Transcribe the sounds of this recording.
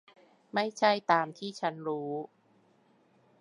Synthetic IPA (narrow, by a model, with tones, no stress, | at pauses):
ma˥˩jt͡ɕʰa˥˩jt̪aː˨˧mt̪ʰiː˥˩t͡ɕʰa˦˥nɾuː˦˥